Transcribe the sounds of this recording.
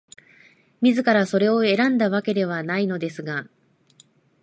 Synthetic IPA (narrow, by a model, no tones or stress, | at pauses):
mʲizɨkaɾaso̞ɾe̞o̞e̞ɾãnd̪aβ̞ake̞d̪e̞β̞anaino̞d̪e̞sɨɡa